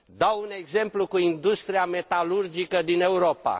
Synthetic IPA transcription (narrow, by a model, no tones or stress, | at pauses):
d̪awune̞ɡze̞mplukuind̪ust̪ɾiame̞t̪alurd͡ʒikəd̪ine̞uɾo̞pa̰